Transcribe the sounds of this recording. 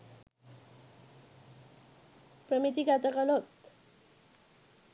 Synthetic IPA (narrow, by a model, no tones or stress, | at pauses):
pɾəmit̪iɡat̪əkalot̪